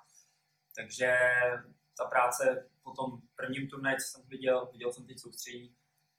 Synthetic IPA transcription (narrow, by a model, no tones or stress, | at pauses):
t̪aɡʒɛ | t̪apɾaːt͡sɛpot̪ompr̩vɲimt̪uɾnɛt͡so̥sɛmt̪vɪɟɛlvɪɟɛlsɛmt̪ɛc̚sowst̪r̝̥ɛɟiː